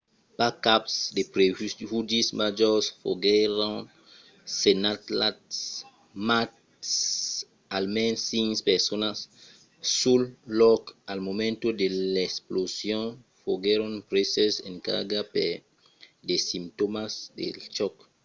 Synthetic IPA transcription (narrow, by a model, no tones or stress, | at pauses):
pakapsdepɾevudismad͡ʒɔsfo̰ɡeɾõn | senat̪lats | mat | s | almɛ̃nsːĩŋspɛʁsonasː | ulːɔkalmomẽnt̪odelesplosjɔ̃n | foɡeɾõnpɾesesẽŋka̰ɡape | desĩmt̪omasdḛlt͡ʃɔk